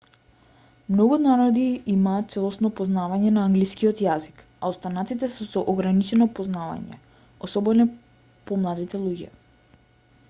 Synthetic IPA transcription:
mnɔɡunaɾɔd̪iimaːt̪̚t̪sɛlˠɔsnɔpɔznavaɲɛnaːŋɡliskiɔt̪jazik | aɔst̪anat̪it̪ɛsɛsɔʔɔɡɾanit͡ʃɛnɔpɔznava̰ɲɛ̰ | ɔsɔbɛnɛ | pɔmlˠad̪it̪ɛlˠuɟɛ̰

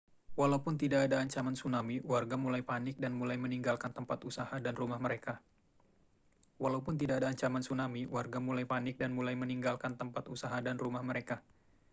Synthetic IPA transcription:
walaupʊnt̪idakːdaːɲt͡ʃamansunamiwarɡamulajpanɪk̚danmulajməniŋɡalkant̪əmpat̪usahadanrumahməɾeka | walaupʊnt̪̬idakadaːɲt͡ʃamansunamiwarɡamulajpanɪk̚danmulajməniŋɡalkant̪əmpat̪usaɦadanrumahməɾeka

